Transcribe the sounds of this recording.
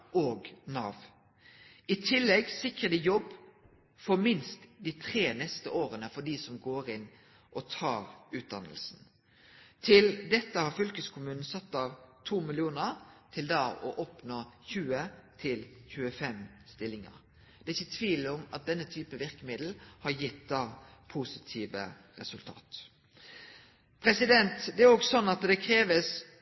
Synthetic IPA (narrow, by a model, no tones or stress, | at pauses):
ʔoːɡnɑːʋ | ɪt̪ʰɪlːɛɡsɪkɾəd̪ɪjɔbː | fɔɾmɪnst̪d̪it̪ʰɾeːnɛst̪əʔoːɾənəfɔɖ̪iːsɔmɡoːɾɪn | ʔɔt̪ʰɑːɾʉːt̪̚d̪ɑnəlsn̩ | t̪ʰɪld̪ɛt̪ːəhɑɾfœlkəskʰʊmʉːnn̩sɑt̪ːɑʋt̪ʰuːmɪlɪuːnəɾt̪ʰɪld̪ɑːɔ̰ʔɔpnoːçʉːət̪ʰɪlçʉːəfɛm | st̪ɪlːɪŋə̰ɾ | d̪̥ɛɪçːət̪ʰʋiːlɔmɑt̪̚d̪ɛnːət̪ʰyːpəʋɪɾkəmɪd̪l̩hɑɾjɪt̪̚d̪ɑːpʰusɪt̪ʰiːʋə | ɾɛsʉlt̪ʰɑ̰ːt̪ | pʰɾɛsɪd̪ɛnt̪d̪ɛæɾoːɡsɔnːɑt̪d̪ɛkʰɾeːʋəs